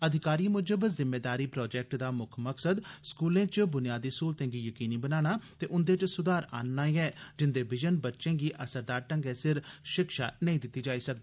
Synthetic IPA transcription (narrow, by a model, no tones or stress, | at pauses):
əd̪ʱɪkaːɾiːmʊd͡ʒəbəzɪmːeːd̪aːɾiːpɾɔːd͡ʒɛːk̚ʈd̪aːmʊkʰməksəd̪skuːlẽːt͡ʃbʊnɪjaːd̪iːskuːlt̪ẽːɡiːjəkiːniːbənaːɽ̃aːt̪eːʔʊnd̪eːt͡ʃsʊd̪aːɾa̰ːnːaːiɛːd͡ʒɪnd̪eːbɪd͡ʒənbətːʃẽːɡiːʔəsəɾd̪aːɾʈəŋɡeːsɪɾʃɪkʃa̰ːnəĩːd̪ɪt̪ːiːd͡ʒaːiːsək̚d̪iː